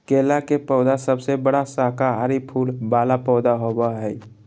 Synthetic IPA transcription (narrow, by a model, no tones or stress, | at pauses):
keːlakepɔʊd̪asəbsebəɽasakaɦaɾipʰuːlbaːlapɔːd̪aɦobaɦɛj